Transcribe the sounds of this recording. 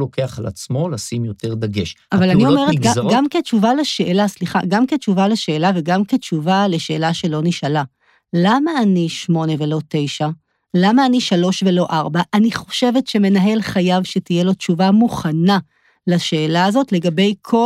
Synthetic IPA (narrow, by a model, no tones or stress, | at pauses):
lo̞keaχala̰t͡smo̞lasimjo̞te̞ʁd̪aɡeʃavalaniomeetɡaɡamke̞t͡ʃuvaleʃe̞ːlasliχa̰ɡamket͡ʃuvaleʃe̞ːlave̞ɡamke̞t͡ʃuvale̞ʃe̞ːlaʃe̞lo̞niʃala | lamaːniʃmo̞ne̞velo̞te̞jʃa | lamaːniʃalo̞ʃve̞lo̞ʔaʁbaʔːniχo̞̥ʃe̞ve̞tʃe̞me̞naɦe̞lχajavʃe̞tijelo̞t͡ʃuvamuχana | laʃe̞ːlaːzo̞tle̞ɡabe̞jkʰo